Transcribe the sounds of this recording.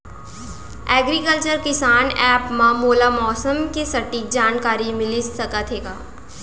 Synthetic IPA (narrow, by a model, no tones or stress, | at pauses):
ɛːɡɾikəlt͡ʃəɾkɪsaːnɛːpmãmoːlamɔːsəmkesɐʈik̚d͡ʒaːnkaːɾimɪlisəkət̪ʰɦeːɡaː